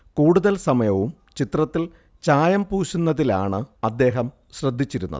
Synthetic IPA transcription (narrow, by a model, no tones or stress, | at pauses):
kuːɽuðɐlsɐmɐjɐʋum | t͡ɕit̪rɐt̪ːil | t͡ɕaːjɐmpuːɕunːɐðila̰ːɳɨɐd̪ːe̞ːɦɐm | ɕrɐd̪ʱːit͡ɕːiɾunːɐ̰ðɨ